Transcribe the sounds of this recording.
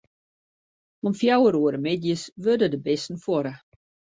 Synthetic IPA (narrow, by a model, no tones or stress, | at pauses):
ɔmfjawəɾuəɾəmɪdjəsʋødədəbɪstn̩fwɔɾə